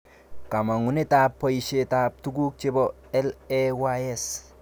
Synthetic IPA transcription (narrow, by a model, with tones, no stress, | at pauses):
ka˨ma˨ŋu˨ne˦tapːo˦jʃe˨tap̚tu˦ɡu˦k̚t͡ʃe˦bɔ | ɛ˦lɛwaes